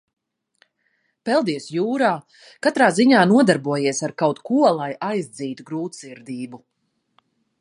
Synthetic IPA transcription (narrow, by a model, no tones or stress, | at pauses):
pɛlˠd̪iɛsjuːɾaː | kat̪ɾaːziɲaːnuɔd̪aɾbuɔjiɛsaɾkawt̪kuɔlˠajʔajzd̪ziːt̪uɡɾuːt̪siɾd̪iːbu